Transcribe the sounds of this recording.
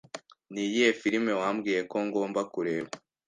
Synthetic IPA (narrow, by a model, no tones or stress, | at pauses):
nijijefiɾime̞waːmɡiːje̞ko̞ŋɡo̞ːmbakuɾe̞ːβa